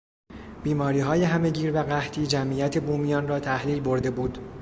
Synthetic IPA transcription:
b̥iːmɒːɾiːɦɒːje̞ɦæme̞ɟiːɾvæɣæht̪ʰiːd͡ʒæmʔiːjæt̪ʰe̞buːmijɒːnrɒːt̪ʰæhliːlbo̞ɾd̪e̞buːd̪

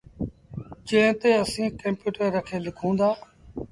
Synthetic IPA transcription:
t͡ʃẽːt̪eːəsĩːkəmpjuːʈəɾːəkʰeːlɪkʰõːnd̪aː

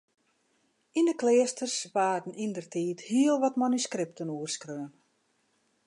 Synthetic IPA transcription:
indəkleːəstərsʋaːdn̩ʔindərtʰiːthiəlˠʋɔtmanyskrɪp̚tənuərskrøːən

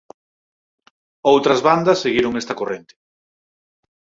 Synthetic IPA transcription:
owt̪ɾɐzβand̪ɐsːeɣiɾoŋest̪ɐkorent̪ɪ̥

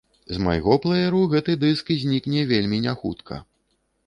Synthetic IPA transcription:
zma̰jɣɔplˠɐjɛɾuɣɛt̪ɨd̪ɨskzʲnʲiknʲɛvʲelʲmʲinʲaxṵt̪kʰɐ̰

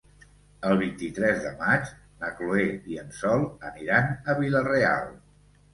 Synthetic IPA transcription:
əlˠβ̞int̪it̪ɾɛzðə̰mat͡ʃ | nəklueiənsɔlˠəniɾanəβilərea̰lˠ

